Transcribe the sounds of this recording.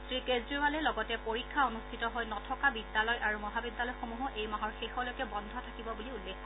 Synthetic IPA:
tɹikezdiɹwalɛlɔɡɔtɛpoɹikʰːaonustʰitɔɦojnɔtʰɔkabid̪ːalɔjʔaɹumɔɦabid̪ːalɔjxomuɦɔʔejmaɦɔɹxexɔlɔjkɛbɔndʱɔtʰakibɔbuliulːekʰːɔ

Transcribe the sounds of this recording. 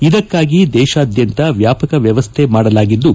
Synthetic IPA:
id̪ɐkːaːɡid̪ɛːʃɐːd̪ʱjɐnt̪ɐʋjaːpɐkɐʋjɐʋɐst̪ʰe̞maːɽɐlaːɡid̪ːu

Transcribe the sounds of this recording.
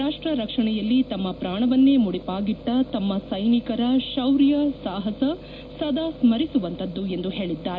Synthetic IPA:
aːʂʈɾɐɾɐkʂɐɳɛjɐlːit̪ɐmːɐpɾaːɳɐʋɐnːeːmuɽipaːɡiʈːɐt̪ɐmːɐsɐjnikɐɾɐʃɐwɾjɐsaːɦɐsɐ | sɐd̪ʱaːsmɐɾisuʋɐnt̪ʰɐd̪ːue̞nd̪uɦeːɭid̪ːaːɾe

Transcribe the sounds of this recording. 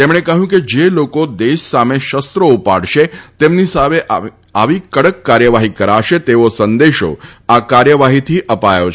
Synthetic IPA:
t̪emɳ̃ekəɦũked͡ʒelokod̪eʃsameʃəst̪ɾoupa̰ɽʃet̪emnisaʋeʔ | aʋikəɽəkːaɾjəʋaɦikəɾaʃet̪eʋosənd̪eʃo̰akaɾjəʋaɦit̪ʰiʔəpajot͡ʃʰ

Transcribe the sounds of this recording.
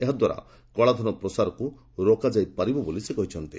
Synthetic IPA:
eɦɔd̪waɾa̰ | kɔɭad̪ʱɔnɔpɾɔsaɾɔku | ɾokad͡ʒajpaɾibɔbolisekɔɦit͡ʃʰɔnt̪ḭ

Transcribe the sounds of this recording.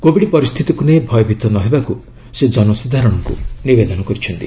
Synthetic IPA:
kobiɽipɔɾist̪ʰit̪ikunebʱɔjɔbʱit̪ɔnɔɦebaku | sed͡ʒɔnɔsud̪ʱaɾɔɽ̃ɔkṵnibed̪ɔnɔkɔɾit͡ʃʰɔnt̪i

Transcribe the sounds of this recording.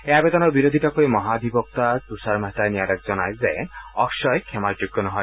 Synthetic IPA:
eabed̪ɔnɔɾbiɾod̪ʱiʈakoimɔɦad̪ʱibɔk̚t̪at̪usaɾmaɦet̪ajniaɾek̚d͡ʒɔnajzeɔkʃɔjkʰɛmaɾd͡ʒuɡːɔnɔɦɔj

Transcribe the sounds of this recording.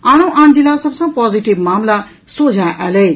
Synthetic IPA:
aɽ̃oʔãnd͡ʒilasəbsə̃pɔziʈibmamla | sod͡ʒʱaʔalej

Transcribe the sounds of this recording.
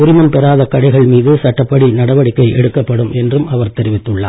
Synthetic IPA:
ʊɾɪmɐmpɛɾaːðɐkɐɽɐɪɣɐɭmiːðɯsɐʈːɐpːɐɽinɐɽɐʋɐɽɪkːɐɪʔɛ̰ɽɯkːɐpːɐɽɯmʔɛndrɯmɐʋɐɾt̪ɛɾɪʋɪt̪ːɯɭːa̰ː

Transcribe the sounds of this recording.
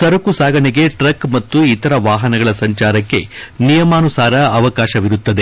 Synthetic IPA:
sɐɾɐkusaːɡɐɳeɡe̞ʈɾɐkmɐt̪ːuit̪ɐɾɐʋaːɦɐnɐɡɐɭɐsɐɲt͡ʃaːɾɐkːe̞nijɐmaːnusaːɾɐːʋɐkaːʃɐʋiɾut̪ːɐd̪e

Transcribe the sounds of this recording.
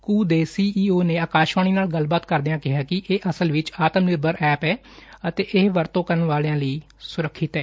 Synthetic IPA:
kuːd̪eːsiːʔiːoːneːaːkaːʃʋaːɳ̃iːnaːlɡəlbaːt̪kəɾd̪ejãːkɪɦaːkɪʔeːʔəsəlʋɪt͡ʃaːt̪əmnɪɾbəɾʔɛːpɛː | ət̪eːʔɪɦʋəɾt̪õːkəɾənʋaːleãːləiː | sʊɾəkʰːɪt̪ɛː

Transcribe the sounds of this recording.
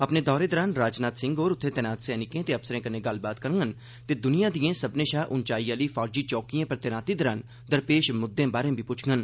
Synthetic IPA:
əpneːd̪ɔːɾeːd̪əɾaːnɾaːd͡ʒnaːt̪sɪ̃ŋɡoːɾʊt̪ʰːẽːt̪ɛːnaːt̪sɛːnɪkẽːt̪eːəbsəɾẽːkəɾnẽːɡəlbaːt̪kəɾŋɡən | t̪eːd̪ʊnijãːd̪ijẽːsəbnẽːʃaːʔʊnt͡ʃaːiːaːliːfʰaːɾd͡ʒiːt͡ʃɔːkijãːpəɾt̪ɛːnaːt̪iːd̪əɾaːn | d̪əɾpeːʃmʊd̪ːẽːbaːɾẽːbʱiːpʊt͡ʃʰŋɡən

